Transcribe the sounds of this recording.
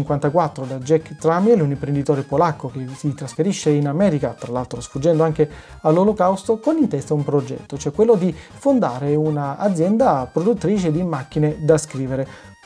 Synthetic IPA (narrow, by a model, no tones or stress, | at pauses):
iŋkwant̪akwat̪ːɾod̪ad͡ʒɛkːt̪ɾamɛlunimpɾend̪it̪ɔːɾepolakːokesit̪ɾasfeɾiʃːeinamɛːɾikat̪ɾalalt̪ɾosfud͡ʒːɛnd̪oaŋk̟e | alːolokawst̪okonint̪ɛst̪aumpɾod͡ʒɛ̰t̪ːot͡ʃoɛkːwelːod̪i | fond̪a̰ːɾeuna̰ːd̪zjɛnd̪apɾod̪ut̪ːɾiːt͡ʃed̪imakːined̪askɾiːveɾe